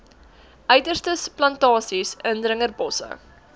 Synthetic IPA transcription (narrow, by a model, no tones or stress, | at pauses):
ʔœɥdərstəsplɐntɑːsisəndrəŋərbɔsə̰